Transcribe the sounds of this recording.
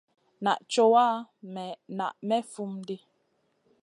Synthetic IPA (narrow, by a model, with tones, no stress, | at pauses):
na˨ʔt͡ʃo˦waː˦mɛ˨na˨ʔmɛ˦fu˦mdi˦